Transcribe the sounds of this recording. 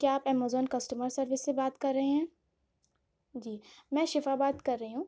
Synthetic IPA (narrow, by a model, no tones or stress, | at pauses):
kjaːpɛːmaːzɔːnkɐsʈəməɾsɐɾʋɪsːebaːt̪kɐɾːɐɦeɦɛ̃ː | d͡ʒiːmɛ̃ːʃɪfaːbaːt̪kɐɾːɐɦiɦũː